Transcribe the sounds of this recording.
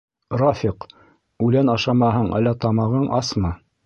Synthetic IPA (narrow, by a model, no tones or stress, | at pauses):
rɑfʲiq | ʉlænɑʃɑmɑɦɤɴæ̰lːæt̪ɑmɑʁɤɴʔɑsmɤ